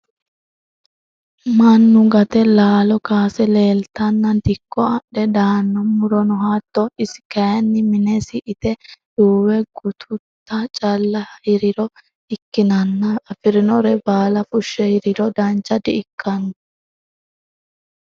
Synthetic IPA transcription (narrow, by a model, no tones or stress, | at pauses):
mɐnːʊɡɐt̪ɛlaːlɔkaːsɛleːlt̪ɐnːɐd̪ɪkːɔɐʔɛd̪aːnːɔmʊɾɔnɔɦat̪ːɔɪsɪ̥kɐjɐnːɪmɪnɛsɪʔɪt̪ɛd̪̥uːwɛɡ̥ʊt̪ʰʊt̪ːɐt͡ʃʼɐlːɐhhɪɾɪɾɔ | ɪkːɪnɐnːɐːfɪɾɪnɔɾɛbaːlɐfʊʃːɛhɪɾɪɾɔd̪ɐnt͡ʃːɐd̪ɪɪkʰːɐnʊ